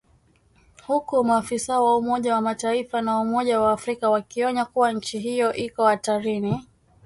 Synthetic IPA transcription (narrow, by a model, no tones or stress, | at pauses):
hukumaːfisaɔwaumɔʄawamataifanaumɔʄawaːfɾikawakiɔɲakuwaɲ̩t͡ʃiɦijɔʔikɔhataɾini